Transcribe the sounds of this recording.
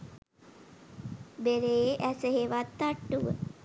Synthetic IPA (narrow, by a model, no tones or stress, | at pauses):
beɾeːʔæsəɦeʋat̪ːaʈːuʋə̰